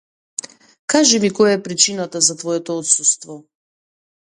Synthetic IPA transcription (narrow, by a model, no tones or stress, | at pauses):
kaʒɛmikɔjaɛpɾit͡ʃinat̪azat̪vɔjɛt̪ɔɔt̪sust̪vɔ